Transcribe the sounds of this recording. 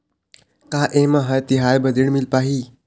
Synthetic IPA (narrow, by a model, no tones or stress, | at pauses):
kaːʔẽːmɐɦɐjt̪iɦaːjbɐd̪iɽmilpaːɦiː